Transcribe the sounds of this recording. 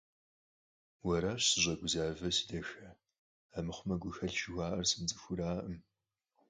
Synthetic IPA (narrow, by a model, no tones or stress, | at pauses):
wɐɾaːɕsɨʑʷʼɐɡʷʊzaːvɐsi̥dɐxɐ | amɨχʷʊmɐɡʷʊxɐɬʃɪɣʷaːʔɐrsɨmt͡sʼɨxʷʊɾaːʔəm